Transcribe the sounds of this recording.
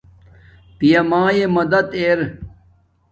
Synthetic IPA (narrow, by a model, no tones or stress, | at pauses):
p̪ijɐmãːjemɐd̪ɐt̪eːɾ